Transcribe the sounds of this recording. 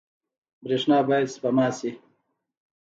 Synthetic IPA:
bɾeːʂnaːbaːjed̪spamɑːsi

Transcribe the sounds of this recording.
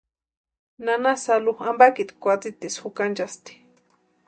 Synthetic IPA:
nanasaluxambakit̪kʷat͡sit̪isxukant͡ʃast̪i̥

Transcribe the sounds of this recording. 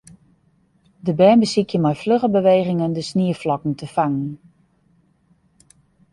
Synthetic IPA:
dəbɛːmbəsikjəmɛjfløχəbəʋeːɣɪŋəndəsniəflɔkn̩təfaŋən

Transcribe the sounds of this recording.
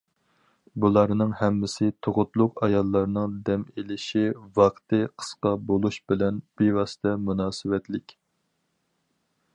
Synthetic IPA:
bulˠɑɾnɨŋhɛmːɪsɪt̪ʰoʁʊt̪lˠʊqɑjɑlˠːɑɾnɨŋd̪ɛmelɪʃivɑqt̪ʰɨqʰə̥sqɑbolˠuʃbɪlɛnb̥evɑːsɨ̥t̪ʰɛmunɑːsɨwɛt̪lɪkʲ

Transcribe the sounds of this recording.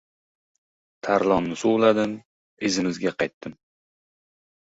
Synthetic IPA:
t̪ʰaɾlˠɒnnɪsolˠad̪ɪm | ezɪmɪzɡʲaqʰɑjt̪ːɪm

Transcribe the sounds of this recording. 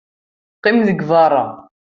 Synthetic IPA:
qːɪmðəɡvɑrˤːɑ

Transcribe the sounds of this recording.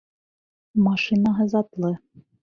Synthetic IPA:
mɑʃɨnɑɦɤ̆zɑt̪lˠɤ

